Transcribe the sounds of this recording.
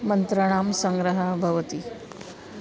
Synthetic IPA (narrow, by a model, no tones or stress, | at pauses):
mənt̪ɾəɽ̃aːmsəŋɡɾəɦəbʱɐʋt̪i